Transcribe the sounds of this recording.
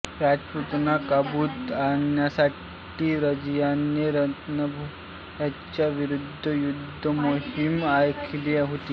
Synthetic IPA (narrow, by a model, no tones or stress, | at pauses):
ɾad͡ʒput̪nakabut̪anjasaʈ | iɾəd͡ʒjanjeɾət̪nəbʱu | at͡ɕaʋiɾud̪ʱːəjud̪ʱːəmohimajkʰileɦot̪iː